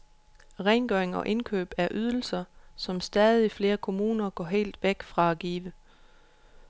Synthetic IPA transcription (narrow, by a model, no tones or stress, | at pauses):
ʁɛɪnɡ̥œɐeŋɒ̽ʔe̝nkʰø̰ːb̥æɐʔyð̞ˠl̩sɐsɒ̽msd̥ɛːðˠifle̝ːɐkʰo̝muːnɐɡ̥ɒ̰ːɦe̝̰ːld̥ʋeɡ̥fʁɑ̈æɡ̥ḭːʋə